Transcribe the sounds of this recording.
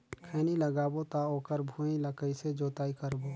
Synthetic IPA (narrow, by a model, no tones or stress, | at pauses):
kʰɛːniləɡaːbot̪aoːkəɾbʱũĩləkəised͡ʒoːt̪aːikəɾboː